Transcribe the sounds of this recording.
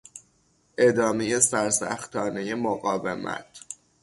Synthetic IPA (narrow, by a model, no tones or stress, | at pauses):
ʔe̞d̪ɒːmeje̞sæɾsæ̰xt̪ʰɒːne̞je̞moɣɒːvemæ̰t̪ʰ